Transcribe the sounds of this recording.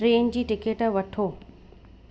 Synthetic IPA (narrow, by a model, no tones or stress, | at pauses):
ɾeːnd͡ʑiːʈɪkeːʈʋɐʈʰoː